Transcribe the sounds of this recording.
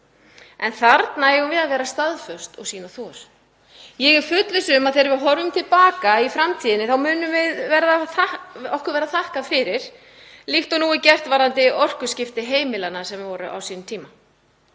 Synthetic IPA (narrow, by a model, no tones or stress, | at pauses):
ɛnθaɾt̪naɛɣʏmvɪðaðvɛːɾast̪aðfœ̥st̪ɔɣsiːnaθɔɾ̥ | jɛɣɪɾ̥fʏt̪lɪsʏmaðθejɾvɪɦɔɾvʏmt̪ʰɪlpaːkaifɾamt̪ʰiːðɪnɪθawmʏːnʏvɪðvɛɾðaθaɔhkʏɾvɛːɾðaθahkafɪɾɪɾ̥ | lixt̪ɔnuːɪcɛr̥t̪vaːɾant̪ɪʔɔr̥kʏscɪft̪ɪɦeːjmɪlanasɛmvɪvɔːɾʏ̰ʔa̰wsiːnʏmt̪ʰiːma